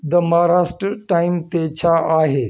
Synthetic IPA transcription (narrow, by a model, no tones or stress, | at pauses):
d̪ɐmaːɾaːsʈɾəʈaːɪmt̪et͡ɕʰaːaːɦeː